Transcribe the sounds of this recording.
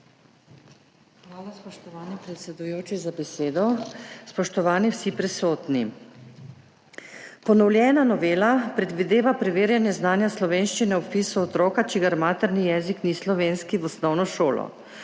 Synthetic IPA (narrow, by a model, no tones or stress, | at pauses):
xʋaːlaspɔʃt̪ɔʋaːnipɾɛt̪sɛd̪ujoːt͡ʃizabɛseːd̪ɔspɔʃt̪ɔʋaːniwsipɾɛsoːt̪ni | pɔnɔwljɛːnanɔʋeːlapɾɛd̪ʋid̪eːʋapɾɛʋeːɾjanjɛznaːnjaslɔʋeːnʃt͡ʃinɛupiːsuɔt̪ɾoːkat͡ʃiɡaɾmaːt̪ɛɾnijɛːziknislɔʋeːnskiʋɔsnɔwnɔʃoːlɔ̰